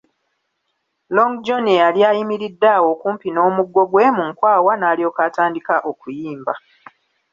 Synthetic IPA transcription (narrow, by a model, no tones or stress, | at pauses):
loŋɡd͡ʒonealjaːjimiɾidːawo̞kuːmpino̞ːmuɡːo̞ɡwe̞muŋkwaːwanaːlio̞ːkaːtaːndikaʔokujiːmba